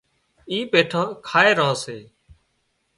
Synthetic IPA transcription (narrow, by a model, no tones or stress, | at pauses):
iːpeːʈʰaːkʰaːeːɾəɦoːseː